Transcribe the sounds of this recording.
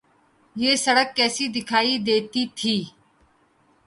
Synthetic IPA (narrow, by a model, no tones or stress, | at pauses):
jeːsəɽəkːɛːsiːd̪ɪkʰaːiːd̪eːt̪iːt̪ʰiː